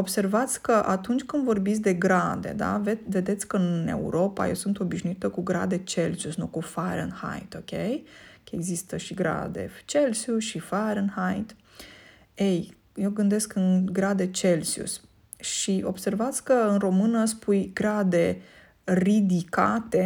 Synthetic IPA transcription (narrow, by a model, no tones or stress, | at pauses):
o̞b̥se̞rvat̪sʲkəʔat̪unt͡ʃʲkɨnd̪vo̞rbit̪sʲd̪e̞ɡɾad̪e̞̰d̪a̰veve̞d̪e̞t̪sʲkəɨne̞̰ṵɾo̞pa̰je̞̰wsunt̪o̞biʃnuit̪əkuɡɾa̰d̪e̞t͡ʃe̞lsiusnukufaɾə̰nha̰jt̪o̞kʲejkeɡzist̪əʃiɡɾa̰d̪e̞̰t͡ʃelsiusʃifaɾənhajt̪ | ej | je̞wɡɨnd̪eskɨnɡɾad̪e̞t͡ʃe̞lsiṵs | ʃiʔo̞b̥se̞rvat̪sʲkəɨnro̞mɨnəspujɡɾad̪e̞ | rid̪ika̰t̪e̞